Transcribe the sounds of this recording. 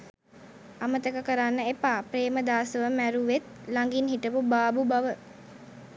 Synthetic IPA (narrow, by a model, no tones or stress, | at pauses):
amət̪əkəkəɾanːəepaːpɾeːməd̪aːsəʋəmæɾuʋet̪̚laŋɡinɦiʈəpubaːbubaʋə